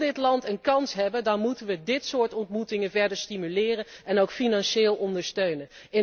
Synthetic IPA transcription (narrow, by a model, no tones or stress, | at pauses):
dɪtlɑntənkɑnsɦɛbəndɑnmutənʋədɪtsʊːɹtɔntmutɪŋənvɛɹdəɹstimylɪːrənɛnowkfinɑnʃeːlˠɔndəɹstøɥnən | ɪ